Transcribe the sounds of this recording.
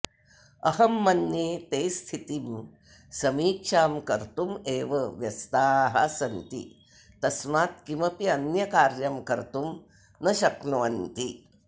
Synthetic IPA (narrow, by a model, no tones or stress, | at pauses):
ɐɦɐmːɐnjeːt̪eːst̪ʰit̪im | sɐmiːkʂaːmkɐɾt̪umeːʋɐʋjɐst̪aːɦɐ̰sɐnt̪ḭ | t̪ɐsmaːt̪̚kimɐpiɐnjɐkaːɾjɐmkɐɾt̪um | nɐʃɐknuːɐnt̪i